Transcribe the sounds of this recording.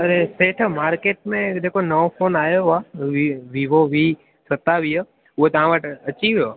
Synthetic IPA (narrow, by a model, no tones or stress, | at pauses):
ɐɾeseːʈʰmaːɾkeːʈ̚mẽd͡ʒeːkonəʋopʰoːnaːjoaiʋiʋoʋi | sət̪aʋiːo | ʊɦot̪ɐʋãʋəʈɐt͡ʃiʋjo